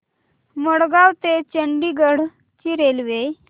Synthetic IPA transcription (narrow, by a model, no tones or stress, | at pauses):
məɽɡawt̪et͡ɕəɳɖiɡəɽ̤ | t͡ɕiɾelʋej